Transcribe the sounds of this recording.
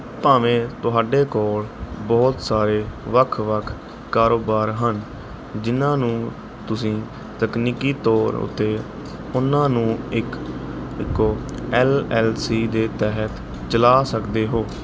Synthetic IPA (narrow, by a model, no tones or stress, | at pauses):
paːʋẽːt̪ʊɦaːɖeːkɔːlbɔːt̪saːɾeːʋəkʰʋəkʰ | kaːɾoːbaːɾɦən | d͡ʒɪnãːnũː | t̪ʊsĩː | t̪əkniːkiːt̪ɔːɾʊ̰t̪ːeː | ʊnãːnũːɪkɪkːoːɛːlɛːlsiːd̪eːt̪ɛɦət̪ | t͡ʃəlaːsəkd̪eːɦoː